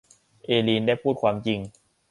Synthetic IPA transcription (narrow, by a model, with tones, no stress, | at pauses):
ʔeː˧liː˧ndaː˥˩jpʰuː˥˩t̪̚kʰwaː˧mt͡ɕi˧ŋ